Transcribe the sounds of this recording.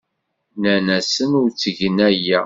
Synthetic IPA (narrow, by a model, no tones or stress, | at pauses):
nænæsənʊɾt͡sːəʝənæjæ